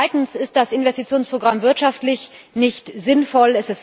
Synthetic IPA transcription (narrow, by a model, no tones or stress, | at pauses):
aɪtn̩sɪst̚d̥asɪnvɛstit͡sjoːnspʁ̥oɡʁamvɪɐtʃaftlɪç | nɪçtzɪnfɔlɛsɪs